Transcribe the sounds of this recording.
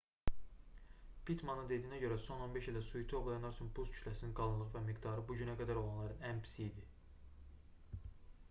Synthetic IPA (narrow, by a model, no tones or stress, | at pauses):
pʰit̪ʰmɑnɯnd̪e̞d̪iːnæɟø̞ɾæso̞no̞nbeʃilæsuit̪ʰioblɑnɑɾt͡ʃ̪ʰunpʰust͡ʃʰy̥ʃlæsninɡɑlˠɯnlˠɯʁɯvæmiɡd̪ɑɾɯbuɟynæɡæd̪æɾo̞lˠɑnlˠɑɾɯnænpʰi̥sid̪i